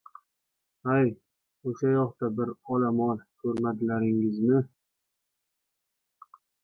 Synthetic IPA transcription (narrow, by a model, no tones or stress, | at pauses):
aj | oʃajɒχt̪abɪɾɒlamɒlkʲʰɵɾmad̪ɪlaɾɪŋɪznɪ